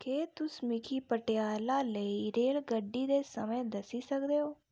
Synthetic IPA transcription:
keːt̪ʊsmɪkʰiːpəʈejaːlaːləiɾeːlɡəɖːiːd̪eːsəmẽːd̪əsiːsəkd̪eːɦoː

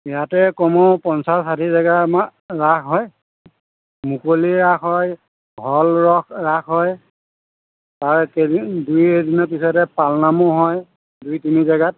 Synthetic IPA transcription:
ijatɛkɔmɔpɔnsassatʰizaɡamaɹakɦɔj | mukoliɹaxɦɔj | bʱɔlɹɔkɹaxɦɔj | taɹkedujedinɔpisɔtɛpalnamɔɦɔj | dujtinizaɡat̚

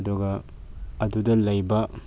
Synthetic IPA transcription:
duɡɐː | dudɐlɐjbɐ

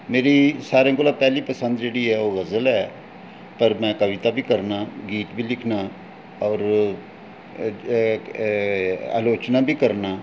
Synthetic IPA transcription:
meːɾiːsaːɾẽãːkoːlaːpɛːliːpəsə̃nd̪d͡ʒeːɽiɦɛːoːɣəzəlɦɛː | pəɾmɛ̃ːkəʋɪt̪aːbʱiːkəɾnaːɡiːʈbʱiːlɪkʰnaː | ɔːɾ | a̰ːloːt͡ʃnaːbʱiːkəɾnaː

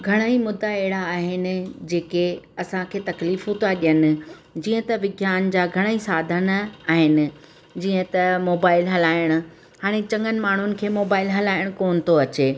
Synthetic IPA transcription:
ɡʱɐɽ̃aimʊd̪ʱːaɛɦɪɽaːɦɪnɪ̆d͡ʑeːkeɐsãkʰeːt̪ɐkliːfɦũt̪ʰaɗijənɪ̆ | d͡ʑiːə̃t̪ɐʋɪɡʱjaːnd͡ʑaːɡʱɐɽ̃əisaːd̪ʱənaːɦɪnɪ̆ | d͡ʑiːə̃t̪ɐmoːbaːɪlɦɐlaːɪɽ̃ʊ̆ | haːɽ̃et͡ɕɐ̃ŋɡənɪ̆maːɳ̤ʊnɪ̆kʰeːmoːbaːɪlɦɐlaːɪɽ̃koːnɪ̆t̪ʰoɐt͡ɕeː

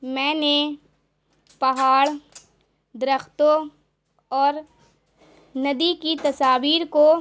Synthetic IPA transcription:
mɛ̃ːne | pɐɦaːɽ | d̪ɪɾəxt̪o | ɔːɾ | nɐd̪ikit̪ɐsaːʋiːɾko

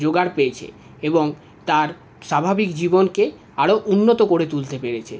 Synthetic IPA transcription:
d͡ʑoɡaɾpeet͡ɕʰḛ | eboŋ | t̪aɾ | ʃabʱabikd͡ʑibonke | aɽoʔunːot̪okoɾet̪ult̪epeɾet͡ɕʰḛ

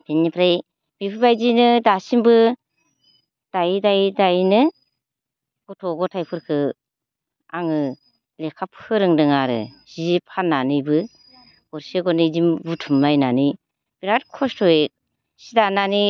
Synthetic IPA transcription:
b̥enipʰɾaj | bipʰɯbajd͡ʒinɯdasimbɯ | d̥ajdajdajnɯ | ɡɔtʰɔɡɔtʰajpʰɯɾkʰɯ | aŋɯ | lekʰapʰɯɾɯŋdɯŋaɾɯ̰z̥iipʰanːanɯjbɯ | ɡɔɾsiɡɔnid͡ʒimbutʰumlajnanɯj | b̥iɾat̚kʰɔstʰɔe | sidanani

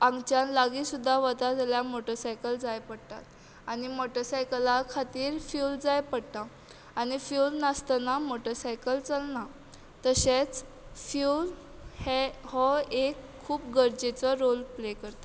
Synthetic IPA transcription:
ãŋɡt͡ɕãnlaɡiːsud̪ʱːaʋət̪ad͡zaljamoʈəɾsajkəld͡zajpəɽt̪a̰t̪̚ | añimoʈəɾsajkəlakʰat̪iːɾfjuld͡zajpəɽt̪a | añifjulnast̪anamoʈəɾsajkəlt͡salna | t̪əɕet͡s | fjul | hehɔekʰːuːp̚ɡəɾd͡ʑet͡sɔɾolplekəɾt̪a

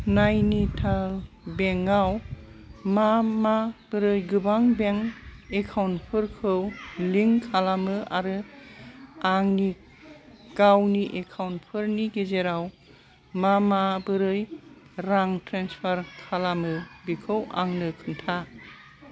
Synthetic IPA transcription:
najnitʰal | beŋaw | mamab̥ɯɾɯjɡɯbaŋbeŋekʰawnpʰɯɾkʰɯwliŋkʰalamɯʔaɾɯ | aŋni | ɡ̥awniʔekʰawntpʰɯɾniɡezeɾaw | mamabɯɾɯj | ɾaŋtɾenspʰaɾkʰalamɯbikʰɯwʔa̰ŋnɯkʰɯntʰa

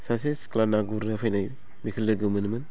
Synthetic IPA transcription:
sas̬esklanaɡuɾefajnaj | mikʰɨlɨɡɨmɨnmɨn

